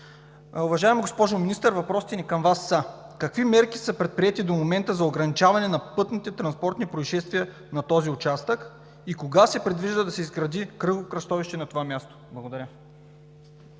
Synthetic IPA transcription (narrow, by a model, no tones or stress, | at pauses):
ʊvɐʒaɛmoɡospɔʒominist̪əɾvɐpɾɔst̪ɛnikɐmvasːəkɐkvimɛɾki̥sɤpɾɛt̪̚pɾiɛt̪id̪omomɛnt̪əzɐoɡɾɐnit͡ʃavɐnɛnɐpɤt̪nit̪ɛt̪ɾɐnspɔɾt̪nipɾoiʃɛst̪viə | nɐt̪ɔziʊt͡ʃast̪ək | ikoɡasɛpɾɛd̪viʒd̪əd̪ɐsɛizɡɾɐd̪ikɾɤɡokɾɐst̪ɔviʃt̪ɛnɐt̪ovamʲjast̪o̥blˠɐɡod̪ɐɾʲə